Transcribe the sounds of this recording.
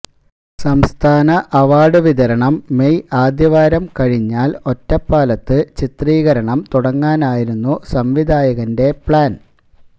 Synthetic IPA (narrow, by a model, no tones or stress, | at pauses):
sɐmst̪ʰaːnɐʔɐʋaːɽɨʋiðɐɾɐɳɐmːe̞jaːd̪jɐʋaːɾɐmkɐɻiɲːaːlo̞tːɐpːaːlɐt̪ːɨt͡ɕit̪riːɣɐɾɐɳɐmt̪uɽɐŋːaːnaːjiɾunːusɐmʋid̪ʱaːjɐɣɐnde̞pɭaːn